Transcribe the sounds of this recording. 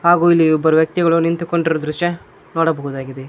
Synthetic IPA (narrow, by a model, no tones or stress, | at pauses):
ɦaːɡuːilːiɔbːɐɾuʋjɐk̚t̪iɡɐɭunint̪ukoɳɖiɾod̪ɾuʂjɐ | noːɽɐbɐɦud̪aːɡid̪e